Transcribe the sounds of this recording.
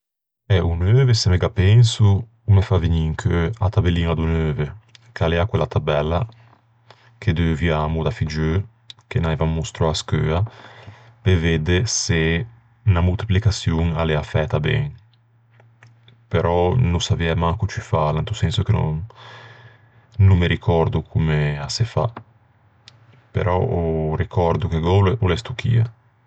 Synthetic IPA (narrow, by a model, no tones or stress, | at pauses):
ɛunøːvesemeɡapɛnsu | umefaviɲiŋkʰøat̪abeliːnad̪unøːvekaleakwelat̪abɛlːa | kʰed̪øviamud̪afid͡ʒø | k̟enajvamːust̪ɾɔaskøːa | peved̪ese | namult̪i̥plikasjuŋaleafɛt̪abɛ̰ŋ | peɾʔɔnusaviɛmaŋkut͡ʃyfalant̪usɛnsokeno̰ | numːeɾikʰɔɾd̪ukʰumeasefa̰ | pḛɾʔɔ̰orikʰɔɾd̪ukeɡɔleulɛst̪uk̟ʰḭːa̰